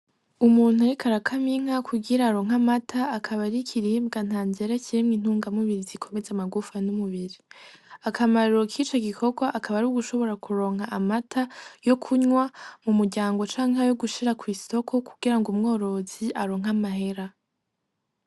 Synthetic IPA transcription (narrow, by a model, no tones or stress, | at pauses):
umuːn̥huaikʰaɾakʰamiŋ̥hakʰuɡiɾaːɾo̞ːŋ̥amatʰaːkʰaβaɾikʰiɾiːbɡan̥haːnzeɾeciɾimŋiːn̥uːŋɡamuβiɾizikʰo̞me̞zeamaɡufanumuβiɾi | akʰamaɾuɾokʰit͡ʃo̞ɡikʰo̞ɡwaʔakaβaɾuɡuʃo̞βo̞ɾakuɾo̞ːŋhaʔamatʰajo̞kʰuɲwamumuɾɟaːŋɡo̞t͡ʃaːŋɦajoɡuʃiɾakwiːso̞kʰo̞kʰuɡ̥iɾaŋɡumŋo̞ːɾo̞ziʔaɾo̞ːŋ̥ɦamaɦe̞ɾa